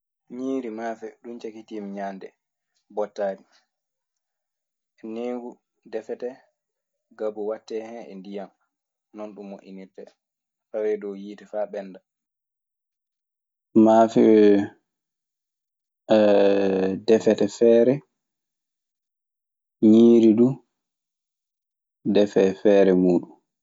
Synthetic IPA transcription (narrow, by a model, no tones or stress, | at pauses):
ɲiːɾimaːfɛɗumt͡ʃakitimiɲandɛ | bɔtːaːdi | ʔɛneːɡu | dɛfɛtɛ | ɡabɔwatːɛhɛnɛ̰ndijam | nɔnɗumːoʔḭnitːɛ | tawɛdɔwjiːtɛfaɓɛnda | maːfɛ | dɛfɛtɛfɛːɾɛ | ɲiːɾidu | dɛfɛfɛːɾɛmuːɗum